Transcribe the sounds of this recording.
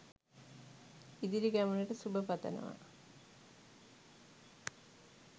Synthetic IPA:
id̪iɾiɡæmənəʈəsubəpat̪ə̰nə̰ʋa̰

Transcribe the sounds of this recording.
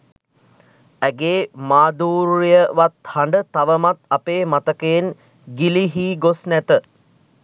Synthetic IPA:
æɡeːmaːd̪uːɾijəʋat̪haɳɖət̪ːaʋəmat̪apeːmat̪əkeːn | ɡiliɦiːɡosnæt̪ə

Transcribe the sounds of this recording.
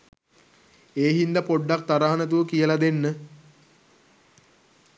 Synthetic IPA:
eːɦind̪əpoɖːak̚t̪aɾaɦanət̪̬uʋəkijəlad̪enːə

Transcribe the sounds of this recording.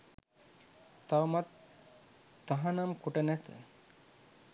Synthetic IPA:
t̪awmat̪ː | aɦanamkuʈənɛt̪ə̰

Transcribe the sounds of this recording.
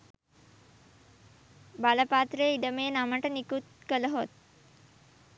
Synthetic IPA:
baləpaːt̪rəjiɖəmeːnaməʈənikut̪̚kələɦot̪̚

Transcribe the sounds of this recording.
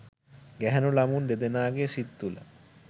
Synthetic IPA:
ɡɛɦɛnolamund̪ed̪enaːɡesit̪ːula̰

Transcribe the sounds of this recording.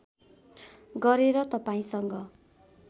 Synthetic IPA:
ɡʌɾeɾʌt̪ʌpaĩsʌŋɡʌ

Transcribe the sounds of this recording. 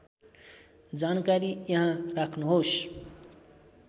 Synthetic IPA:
d͡zaːnkaɾijʌɦãɾakʰnuɦoːs

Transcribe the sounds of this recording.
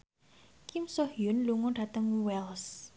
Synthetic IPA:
kimsɔhjʊnluŋʊnɖ̥at̪əŋwɛls

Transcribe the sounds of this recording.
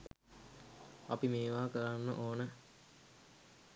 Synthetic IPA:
apimeːʋaːkəɾanːə̰ʔoːnə

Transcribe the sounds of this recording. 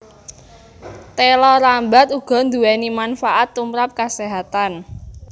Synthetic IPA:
t̪elɔɾamba̤t̪uɡ̥ɔ̤nd̪uwɛnimanfaʔat̪ːumɾap̚kaseɦat̪an

